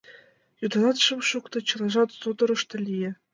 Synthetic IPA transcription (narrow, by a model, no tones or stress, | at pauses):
jud̪ɑnɑt̪ʂɤmʂukt̪ɤ̆t͡ɕɤ̆lˠɑʐɑt̪sud̪ɤ̆ɾɤ̆ʂt̪ɤ̆lʲijĕ